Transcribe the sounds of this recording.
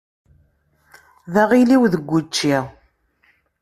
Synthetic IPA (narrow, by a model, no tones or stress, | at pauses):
ðæʁiliwðəɡʷːut͡ʃːiʁ